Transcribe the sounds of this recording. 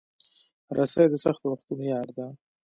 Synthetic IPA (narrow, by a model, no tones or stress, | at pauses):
ɾʔasajd̪əsaxt̪waxt̪unojɑɾd̪a